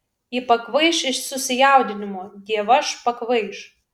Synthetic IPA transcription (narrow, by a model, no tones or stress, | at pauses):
ipɐkʋɐɪʃɪʃsʊsʲɪjæˑʊd̪ʲɪnʲɪmoːd̪ʲiɛʋɐʃpɐkʋɐɪʃ